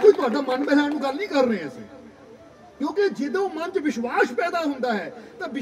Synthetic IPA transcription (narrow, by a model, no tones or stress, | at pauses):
kot̪ʊɦaːɖaːmənbɛːɦaːnũːɡəlnĩːkəɾːəeɛ̃ːsḛ̃ː | kjõːked͡ʒɪd̪õmənt͡ʃʋɪʃwaːspɛːd̪aːɦʊnd̪aːɦɛːt̪ãːʋɪ